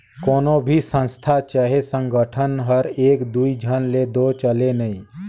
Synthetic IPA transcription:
koːnobʱisə̃nst̪ʰat͡ʃaɦesə̃ŋɡəʈʰənɦəɾeːkd̪uid͡ʒʱənled̪ot͡ʃəlenəĩ

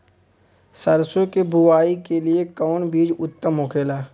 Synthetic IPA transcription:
səɾsokebʊwaːikeliekɔːnbiːd͡ʒʊt̪ːəmɦokʰeːlaː

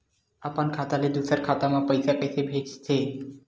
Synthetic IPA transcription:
apankʰat̪aled̪usaɾkʰat̪amapəjsakesʰebʱet͡ʃt͡sʰe

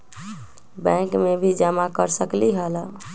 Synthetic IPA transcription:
bɛ̃kmebʱid͡ʒəmakəɾsəkliɦələ

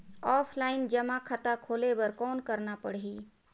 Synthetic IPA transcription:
ɔːpʰlaːɪnd͡ʒəmakʰat̪akʰoːlebəɾkɔːnkəɾnapəɽɦiː

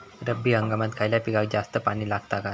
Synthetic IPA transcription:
ɾəbːiːɦəŋɡamat̪kʰajljapiɡak̚d͡zast̪əpaɽ̃iːlaɡt̪aka

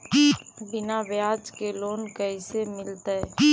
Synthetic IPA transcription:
bɪnabjaːd͡ʒkeloːnkəisemɪlt̪aɛ

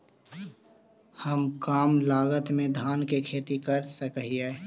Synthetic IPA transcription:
həmkaːmlaːɡət̪mẽd̪ʱaːnkekʰeːt̪ikɐɾsəkɦie

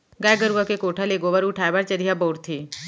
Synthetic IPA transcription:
ɡajɡəɾuʋakekoʈʰaleɡoʋaɾuʈʰajbaɾt͡ʃəɾijaboːɾt̪ʰiː

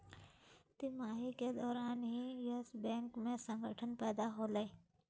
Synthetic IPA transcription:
t̪ɪmaːɦiked̪ɔːɾaːnɦijəsbɛ̃ːŋkmẽsə̃ŋɡəʈʰənpɛːd̪aɦoːlei

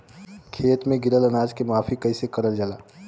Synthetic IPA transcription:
kʰeːt̪mẽɡɪɾəlɐnaːd͡ʒkemaːfʰikɐisekɐɾəld͡ʒəlaː

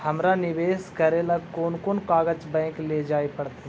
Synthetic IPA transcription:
hɐmɾanɪʋeːskɐɾelakoːnkoːnkaːɡət͡ʃbɛ̃ːŋkled͡ʒaːepɐɽt̪eɦ

